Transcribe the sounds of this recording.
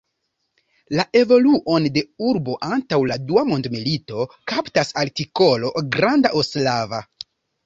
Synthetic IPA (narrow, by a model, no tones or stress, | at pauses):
laʔe̞vo̞luʔo̞nde̞uɾbo̞ʔantawladuamo̞ndmilito̞kaptasaltiko̞lo̞ɡɾandaʔoslava